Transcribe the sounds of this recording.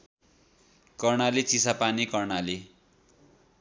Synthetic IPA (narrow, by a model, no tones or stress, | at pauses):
kʌrɳalit͡sisapanikʌrnali